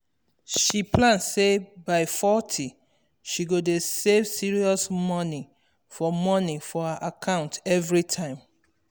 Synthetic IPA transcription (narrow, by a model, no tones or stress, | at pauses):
ʃiplãnssebaɪfɔtʰi | ʃiɡodesevsiɹiɔsmɔni | fɔmɔnifɔhaʔakʰãʊ̃ntɛvɹitʰãɪ̃m